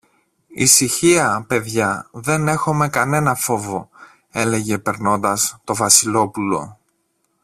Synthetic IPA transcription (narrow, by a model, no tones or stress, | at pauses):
ḭsiçiɐpe̞ðʝɐðe̞ne̞xome̞kɐne̞nɐfo̞vo̞ | e̞le̞ʝe̞pe̞ɾno̞nd̪ɐst̪o̞vɐsilo̞pulo̞̰